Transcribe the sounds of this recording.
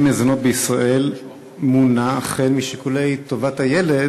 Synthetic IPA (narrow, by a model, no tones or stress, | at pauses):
mezono̞t̚beisʁaʔe̞l | munaːχelmiʃikulejto̞vathaje̞led